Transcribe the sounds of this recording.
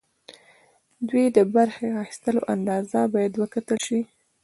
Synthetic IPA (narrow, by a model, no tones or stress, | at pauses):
d̪wid̪əbaɾxeaxi̥st̪əloʔand̪ɑzabɑjad̪wəkat̪əlʃi